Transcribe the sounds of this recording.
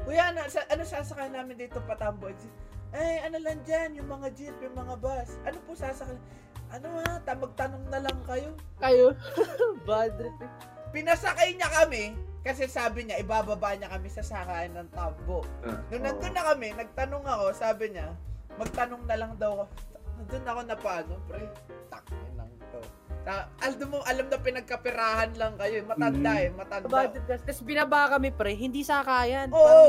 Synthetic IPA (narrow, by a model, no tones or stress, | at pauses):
kʊjanɐsɐʔɐnosaːsɐkajnaːmɪnd̪iːt̪opɐt̪ɐmboʔɐd͡ʒɪtʔajɐnolɐŋd͡ʒanjʊŋmɐŋad͡ʒɪp̪̚jʊŋmɐŋabasʔɐno̞pʊsaːsɐkaj | ʔɐnoat̪ɐmɐɡ̚t̪ɐno̞ŋnɐlɐŋkɐjo̞kɐjo | bad̪ɪt | pɪnɐsɐkajɲɐkɐmɛkɐsɛsaːbɪɲaʔɪbaːbɐbaɲɐkɐmɪsɐsakaːɪnɐŋt̪amboʔnonɐt̪onːɐkɐmɛnɐɡ̚t̪ɐnoŋɐko̞saːbɪɲɐmɐɡ̚t̪ɐnoŋnɐlɐŋd̪ɐwɐko̞ɐd̪onɐko̞nɐpaːnopɾɛt̪ɐk̚ɲɪlɐ̰ŋt̪o | saʔɐld̪omoʔɐlamnɐpɪnɐɡ̚kɐpɪɾaːhɐnlɐŋkɐjo̞ʔɛmɐt̪ɐnd̪aɛmɐt̪ɐndbad̪ɪɐst̪ɐsbɪnɐbaʔkɐmɛpɾɛɦɪnd̪isakaːjɐnʔoːʔo